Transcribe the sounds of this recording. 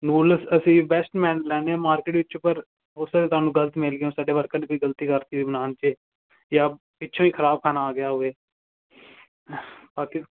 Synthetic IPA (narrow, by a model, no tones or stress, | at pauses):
nuːlsəsĩːbɛsʈmɛ̃ːnlɛːneãːmaːɾkeːʈʋɪt͡ʃopəɾ | ʊsaeːt̪ʊaːnũːɡələt̪mɪlɡeõːsaːɖeːʋəɾkãːneːkoːiːɡəlt̪iːkəɾt̪iːiːbənaːnt͡ʃeː | jaː | ɪtːʃʰõːiːkʰəɾaːb̚kʰaːnaːɡɪjaːɦoeː | paːkɪ